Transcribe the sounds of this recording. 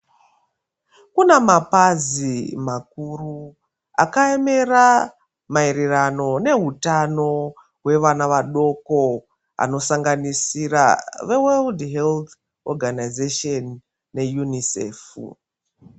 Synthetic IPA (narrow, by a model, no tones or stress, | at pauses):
kunemapazimak̚uru | a̰kaeme̞ra | maiɾirano̞ne̞ɦutano̞ | ɦwe̞ʋanaʋaɗo̞ko̞ | a̰no̞saŋɡanisira̰ʋeweldɦelt̪ | oɡʱanajzeʃonː | e̞junisḛːfṵ